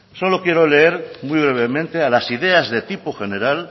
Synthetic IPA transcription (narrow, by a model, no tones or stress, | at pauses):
so̞lo̞kje̞ɾo̞le̞e̞ɾmwijβ̞ɾe̞βe̞mẽ̞nt̪e̞alasiðe̞azðe̞t̪ipoxe̞ne̞ɾal